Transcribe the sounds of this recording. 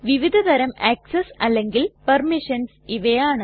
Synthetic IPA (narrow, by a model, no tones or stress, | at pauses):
ʋiʋid̪ʱɐt̪ɐɾɐmeːksɐsɐlːeŋɡilpɐrmiʂɐnsiʋɐjaːɳɨ